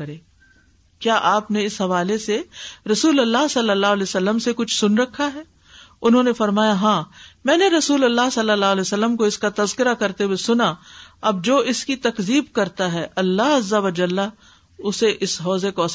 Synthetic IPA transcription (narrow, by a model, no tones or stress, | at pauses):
ɐɾẽː | kjaːʔaːpneɪsɦɐʋaːleseɾɐsuːlɐlːaɦsɐlːəlːaːɦlɛːsɐlːəmsekʊt͡ʃʰsʊnɾɐkʰːaɦɛː | ʊnɦõːnefɐɾmaːjaɦãːmɛ̃ːneɾɐsuːlɐlːaɦsɐlːəlaːɦlɛːsəlːəmkoɪskat̪ɐzkɪɾakɐɾt̪ewesʊnaɐb̚d͡ʒoːʔɪskit̪ɐkziːb̚kɐɾt̪aɦɛʔɐlːaɦɐzɐʋəd͡ʒəlːa | ʊseʔɪsɦɔːzekoɐs